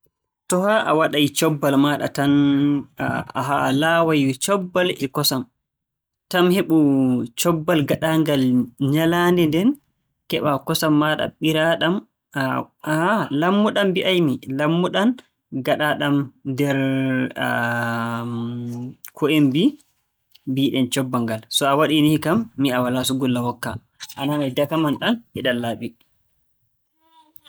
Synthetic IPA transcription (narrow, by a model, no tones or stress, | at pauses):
tɔhaʔa̰waɗajt͡ʃɔbːalmaːɗa̰tan | aɦalawajt͡ʃɔbːalɛkɔsam | tamheɓut͡ʃɔbːalɡaɗaŋɡalɲalandɛndɛn | kɛɓakɔsamːaɗa̰ɓiɾaɗam | alamːuɗambiʔajmilamːuɗan | ɡaɗaɗamdɛɾ | kʰɔembi | biːɗɛnt͡ʃɔbːaŋɡalsɔawaɗinihkamːiawalasuɡulːawɔkːa̰ | ʔananajdakamanɗanɛɗalːaːɓi